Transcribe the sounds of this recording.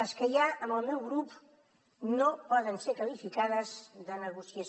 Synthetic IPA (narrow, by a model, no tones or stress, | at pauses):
əskəjaəmbəlˠmɛwɣɾup | nopɔðənseɾkəlifikaðəzðənəɣusiəs